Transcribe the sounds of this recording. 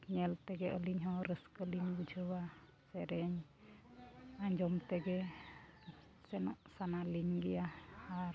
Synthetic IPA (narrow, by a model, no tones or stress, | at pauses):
ɲɛlt̪ɛɡɛʔəliɲɦɔɾəskəliɲbud͡ʒʱəwa | sɛɾɛɲ | aɲd͡ʒɔmt̪ɛɡɛ | sɛnɔʔsanaliɲɡɛjahaɾ